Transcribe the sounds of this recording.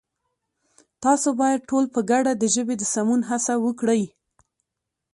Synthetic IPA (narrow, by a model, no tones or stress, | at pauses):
t̪ɑsobɑjad̪̚ʈolpəɡaɖad̪əʒəbed̪əsamunɦasawəkɽəj